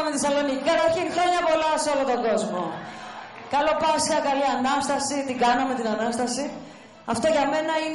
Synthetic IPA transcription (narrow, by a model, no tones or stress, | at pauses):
ɐmet̪isɐlo̞nicikɐt̪ɐɾçinxɾo̞ɲɐpo̞lɐseo̞lot̪o̞ɡo̞zmo̞ | kɐlo̞pɐsçɐkɐliɐnɐst̪ɐsit̪iɡɐnɐme̞t̪inɐnɐst̪ɐsi | ɐft̪o̞ʝɐme̞nɐin